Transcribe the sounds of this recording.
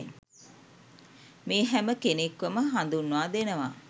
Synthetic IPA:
meːɦɛməkenekʋəməɦand̪unːuaːd̪enəʋa̰ː

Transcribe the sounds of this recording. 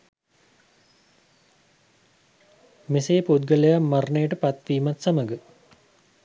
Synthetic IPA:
meseːpud̪ɡələjamːɐrɳejəʈəpat̪ʋiːmat̪saməɡə

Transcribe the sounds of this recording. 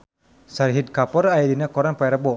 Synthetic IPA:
saɾɦid̪̚kapɔɾajidinakɔɾanpaɛɾəbɔ

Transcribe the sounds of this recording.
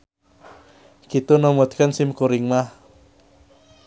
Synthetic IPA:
kit̪unɔmɔt̪̚kənsimkuɾɪŋmah

